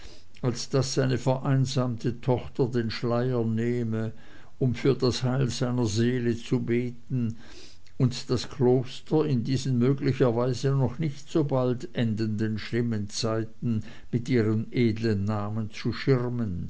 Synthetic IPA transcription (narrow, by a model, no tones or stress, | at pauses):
alsd̥asːaɪnəfɛɐʔaɪnzaːmtʰətʰɔχtɐdeːnʃlaɪɐneːmə | ʊmfyːɐdashaɪlzaɪnɐzeːlət͡subeːtn̩ | ʊntd̥askʰloːstɐɪndiːzən̩møːɡlɪçɐvaɪzənɔχnɪçtz̥oːbaltʔɛndəndənʃlɪmənt͡saɪtn̩ | mɪtʔiːʁəmʔeːdlənːaːmənt͡suʃɪʁmən